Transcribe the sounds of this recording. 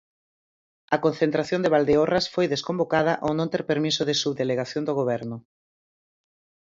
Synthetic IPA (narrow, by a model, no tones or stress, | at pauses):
ɐkonθẽnt̪ɾaθjond̪eβald̪eorasfojðeskombokaðɐʔonõnt̪ɛɾpeɾmisoðesuβðeleɣaθjõnd̪oɣ̞oβɛɾnʊ